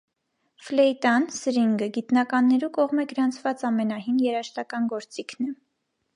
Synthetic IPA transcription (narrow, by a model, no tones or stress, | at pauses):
flɛjt̪ɑnsəɾiŋɡəɡit̪nɑkɑnːɛɾukɔʁmɛɡəɾɑnt͡sʰvɑt͡sɑmɛnɑɦinjɛɾɑʃt̪ɑkɑnɡɔɾt͡sikʰnɛ